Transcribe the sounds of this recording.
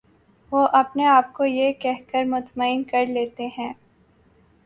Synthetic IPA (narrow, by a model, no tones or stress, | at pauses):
ʋoːʔɐpneaːp̚kojekɛɦkəɾmʊt̪maɪnkɐɾleːt̪eɦɛ̃ː